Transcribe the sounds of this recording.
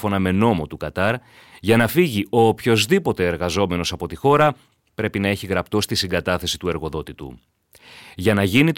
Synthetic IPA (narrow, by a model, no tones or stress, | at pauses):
fo̞nɐme̞no̞mo̞t̪ukɐt̪ɐɾ | ʝɐnɐfiʝio̞pço̞zðipo̞t̪e̞ːɾɣɐzo̞me̞no̞sɐpo̞t̪ixo̞ɾɐ | pɾe̞pinɐe̞çiɣɾɐpt̪o̞st̪isiŋɡɐt̪ɐθe̞si̥t̪ue̞ɾɣo̞ðo̞t̪it̪ṵ | ʝɐnɐʝinit̪